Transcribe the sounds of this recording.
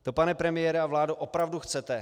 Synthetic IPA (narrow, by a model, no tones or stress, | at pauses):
t̪o̞panɛpɾɛmɪjɛːɾɛavlaːdoʔopɾavduxt͡sɛt̪ɛ